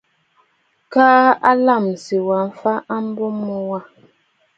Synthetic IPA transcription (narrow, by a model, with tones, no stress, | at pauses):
kaː˦a˦la˦˨m˨si˨wa˨ɱ̩˦fa˦ʔa˦m˦bɔ˦mɔ˨wa˦˨